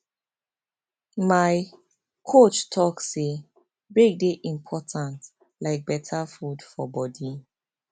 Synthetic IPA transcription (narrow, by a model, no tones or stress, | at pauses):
maj | kʰot͡ʃtʰɔkse | bɹek̚deʔĩmpʰɔtʰãnt | laɪk̚bɛtʰafudfɔbɔdi